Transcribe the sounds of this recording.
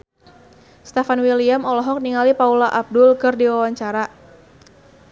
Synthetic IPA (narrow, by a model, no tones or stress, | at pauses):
st̪ɛfanwiliamɔlɔɦɔk̚niŋalipaulaʔab̚dʊlkɨrdiwawaɲt͡ʃaɾa